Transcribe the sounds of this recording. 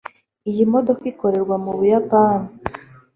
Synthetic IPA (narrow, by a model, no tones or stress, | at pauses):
ijimodo̞kiko̞ɾe̞ɾɡwamuβujakaːnu